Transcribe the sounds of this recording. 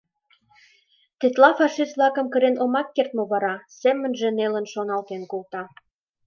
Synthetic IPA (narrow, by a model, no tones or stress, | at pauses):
t̪et̪lɑfɑʃisvlɑkə̆mkə̆ɾenomɑkːert̪̚mŏβɑɾɑsemːə̆nʒĕnelə̆nʃonɑlt̪enkolt̪ɑ